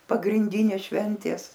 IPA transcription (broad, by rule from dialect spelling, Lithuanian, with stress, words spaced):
pɐɡrʲɪnʲˈdʲiːnʲeːs ˈʃʲʋʲɛnʲtʲeːs